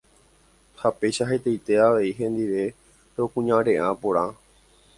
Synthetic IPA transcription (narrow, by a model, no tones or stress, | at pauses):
hape̞jʃaɦe̞t̪ejt̪e̞aʋe̞iɦẽ̞nd̪iʋe̞ | ɾeokũɲãɾẽ̞ʔãpoɾã